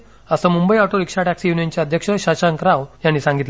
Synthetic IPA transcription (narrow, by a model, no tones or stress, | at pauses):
əsəmumbəiɔʈoɾikʂaʈæksijunijənt͡ɕjaəd̪ʱjəkʂəɕaɕaŋkɾawjaɳnːiːsãŋɡit̪l